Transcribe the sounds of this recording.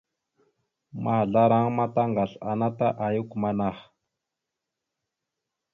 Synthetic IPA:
ma˦˨ɮa˦ɾa˦ŋma˦ta˦ŋɡa˨ɬa˨na˦ta˦ʔa˨ju˦ku˨ma˦na˦˨x

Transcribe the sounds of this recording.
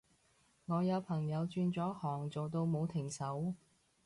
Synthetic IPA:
ŋɔː˨˧jɐ˨˧wpʰɐ˨˩ŋjɐ˨˧wt͡ʃyː˧nt͡sɔː˨˥hɔː˨˩ŋt͡so˨wt̪o˧wmo˨˧wt̪ʰɪ˨˩ŋsɐ˨˥w

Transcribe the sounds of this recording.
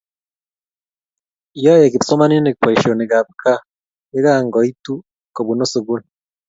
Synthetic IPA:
ijɔ˦je˨ki˨ti˨so˦ma˦ni˦ne˨kpe˨ʃo˨ne˨ɡa˨βka˦ | e˦ɣa˦ŋɡɔ˨i˦tu˦ | ko˨βu˨no˦so˨ɡu˦ni

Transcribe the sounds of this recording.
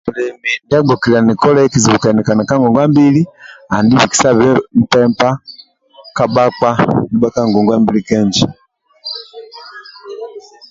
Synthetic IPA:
mu˨lɛ˨mi˨nda˦ɡ͡bɔ˨ki˨la˨ni˨kɔ˦la˦ɛ˦ki˨zi˨βu˨ka˨ni˨ka˨na˨ka˦ŋɡɔ˨ŋɡwa˦mbi˦li˦a˨ndi˦βi˨ki̥˨sa˦βɛ˦m̩˦pɛ˦mpa˦ | ka˦ɓa˦kwa˦ni˨˦ba˦ka˦ŋɡɔ˨ŋɡwa˦mbi˦li˦kɛ˦ɲd͡ʒi˨

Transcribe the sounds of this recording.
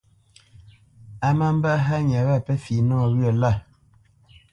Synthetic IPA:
a˦ma˦m˦ba˦ɦa˦ɲ˨a˨βa˦˨pɛ˦fi˨nɔ˦ɔ˨ɣɰə˨la˦˨

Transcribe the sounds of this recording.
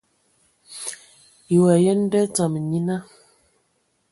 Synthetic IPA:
i˨wa˨jə˦n̩˦də˦t͡sa˨m˨ɲi˦na˦

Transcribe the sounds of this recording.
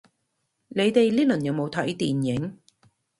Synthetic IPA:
le˨˧jt̪e˨jliː˥lɵ˨˩njɐ˨˧wmo˨˧wt̪ʰɐ˨˥jt̪iː˨˩njɪ˨˥ŋ

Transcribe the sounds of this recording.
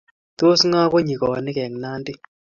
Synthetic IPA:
t̪o˦sŋa˦ko˦ɲi˨kɔ˨nɪ˦kɛ˨ŋna˦ndɪ˦

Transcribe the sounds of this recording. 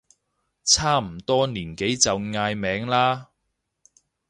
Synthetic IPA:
t͡sʰaː˥m̩˨˩t̪ɔː˥niː˨˩nke˨˥jt͡sɐ˨wŋaː˧jmɛː˨˥ŋlaː˥

